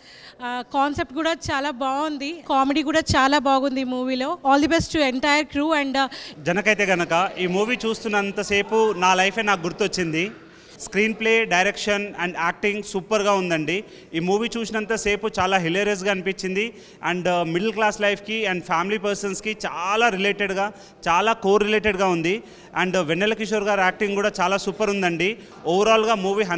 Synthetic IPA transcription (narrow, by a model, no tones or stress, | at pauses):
kaːnsep̚ʈ̚kuːɽaːt͡ʃaːlaːbaːɡund̪ikaːmeɖiːkuːɽaːt͡ʃaːlaːbaːɡund̪imuːʋiːlo̞ːaːld̪ɐbesʈueɳʈɐjɐɾkɾuːɐɳɖd͡ʒɐnɐkɐjt̪e̞ːɡɐnɐkɐiːmuːʋiːt͡ʃuːst̪unːɐnt̪ɐse̞ːpunaːlɐjpʰeːnaːk̚ɡuɾt̪uɐt͡ʃːind̪i | skɾiːnpleːɖɐjɾekʂɐnɛɳɖaːk̚ʈiŋɡsuːpɐɾɡaːund̪ɐɳɖi | iːmuːʋiːt͡ʃuːsinɐnt̪ɐse̞ːput͡ʃaːlaːɦilɐɾes̬ɡaːɐnipit͡ʃːind̪i | ɐ̰ɳɖmiɽɐlklaːslɐjpʰkiɐɳɖpʰaːmilipɐɾsɐnskit͡ʃaːlaːɾileːʈeɽɡaː | t͡ʃaːlaːkoːɾːileːʈeɖɡaːund̪i | ɐɳɖʋenːelɐkiʃ̬oːɾɡaːɾaːk̚ʈiŋɡkuːɽaːt͡ʃaːlaːsuːpɐɾund̪ɐɳɖi | ɔʋɐɾaːlɡaːmuːʋiːɦɐ